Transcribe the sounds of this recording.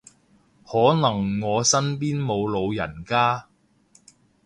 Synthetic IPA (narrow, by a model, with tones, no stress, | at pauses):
hɔː˨˥nɐ˨˩ŋːɔː˨˧sɐ˥npiː˥nmo˨˧wlo˨˧wjɐ̰˨˩nkaː˥